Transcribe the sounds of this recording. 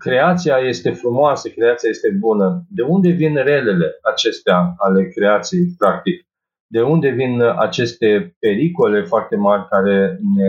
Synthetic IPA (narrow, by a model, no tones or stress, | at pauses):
kɾe̞at̪siaje̞st̪e̞fɾumoasəkɾe̞at̪siaje̞st̪e̞bunəd̪e̞und̪e̞vinre̞le̞le̞at͡ʃe̞st̪eaale̞kɾe̞at̪sijejpɾak̚t̪ik̚ | d̪e̞und̪e̞vina̰t͡ʃe̞st̪e̞pe̞ɾiko̞le̞foart̪e̞marʲkaɾe̞ne